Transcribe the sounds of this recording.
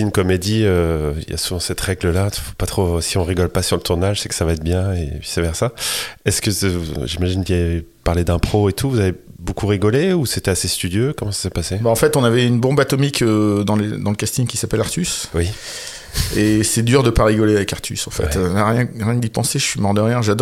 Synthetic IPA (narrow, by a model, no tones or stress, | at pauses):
ynkɔmed̪iøḭlja̰suvɑ̃sɛt̪ʁɛɡləlat̪fo̥pat̪χosiɔ̃ʁiɡɔlpasyʁlət̪uʁnaʒsɛkə̥savaɛt̪̚bjɛ̃epɥi̥sɛvɛʁsaɛskəuʒimaʒinkiapaʁled̪ɛ̃pχoet̪ʰuvuzavebokʰuʁiɡɔleuset̪ɛasest̪yd̪jøkɔmɑ̃sḁsɛpasebaɑ̃fɛt̪ɔ̃navɛynbɔ̃bat̪ɔmikød̪ɑ̃led̪ɑ̃ləkast̪iɲkʲisapɛlaʁt̪yswi | esɛd̪yʁd̪əpaʁiɡɔleavɛkaʁt̪ʰy̰sɑ̃fɛ̰t̪ønaʁjɛ̃ʁjɛ̃d̪ipɑ̃seʒəʃɥimɔʁd̪əʁjɛ̃ʒad̪ɔ